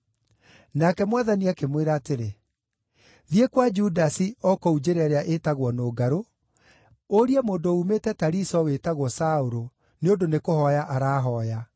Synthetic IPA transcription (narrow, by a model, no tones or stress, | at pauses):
nakɛmwaðaniakemweɾaːteɾe | ðjekwad͡ʒudasiɔkɔud͡ʑeɾɛɾeaʔetaɣwɔnoːɡaɾo | oɾiɛmoːndoumetɛtaɾisɔwetaɣwɔsaoɾo | neondonekohɔjaʔaɾaːɦɔja